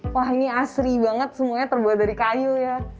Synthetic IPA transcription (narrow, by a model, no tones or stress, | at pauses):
waɦiniasɾibaŋət̪̚səmuaɲat̪ərbuat̪̚daɾikajuja